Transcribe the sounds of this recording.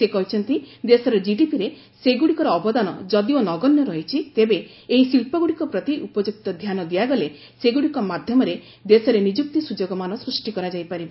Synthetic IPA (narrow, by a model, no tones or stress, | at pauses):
sekɔɦit͡ʃʰɔnt̪id̪esɔɾɔd͡ʒiɖipiɾe | seɡuɽikɔɾɔːbɔd̪anɔ̰d͡ʒɔd̪ionɔɡɔnjɔɾɔɦit͡ʃʰit̪ebeː | ɦisilpɔɡuɽikɔpɾɔt̪iʔupɔd͡ʒuk̚t̪ɔd̪ʱjanɔd̪iaɡɔle | seɡuɽikɔmad̪ʱjɔmɔɾe | d̪esɔɾenid͡ʒuk̚t̪isud͡ʒoɡɔmanɔsɾusʈikɔɾad͡ʒajpaɾibɔ